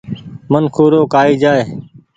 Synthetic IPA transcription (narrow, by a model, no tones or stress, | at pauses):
mənkʰuːɾoːkaːiːd͡ʒaːeː